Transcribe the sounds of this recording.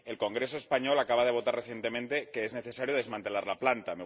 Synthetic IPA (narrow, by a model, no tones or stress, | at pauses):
e̞lko̞ŋɡɾe̞so̞e̞spaɲo̞lakaβað̞e̞β̞o̞t̪areθje̞nt̪e̞mẽnt̪e̞keezne̞θe̞saɾjoð̞e̞zmãnt̪e̞laɾlaplant̪ame